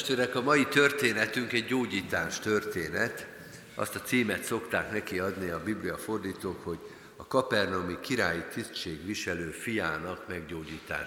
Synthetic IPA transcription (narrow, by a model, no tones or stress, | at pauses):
ʃt̪øːɾɛkɒmɒjit̪ø̞rt̪eːnɛt̪yŋkɛɟːoːɟiːt̪aːʃt̪ørt̪eːnɛt̪ | ʔɒ̰st̪ɒt̪siːmɛt̪so̞kt̪aːknɛkiɒd̪niɒbiblijɒfo̞rd̪iːt̪oːkho̞ɟ | ɒkɒpɛrno̞mikiɾaːjit̪ist͡ʃeːɡʋiʃɛløːfijaːnɒkmɛɡɟoːɟiːt̪a̰ː